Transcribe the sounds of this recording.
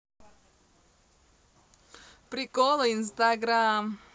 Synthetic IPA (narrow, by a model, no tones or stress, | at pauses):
pɾikolɔinst̪aɡɾam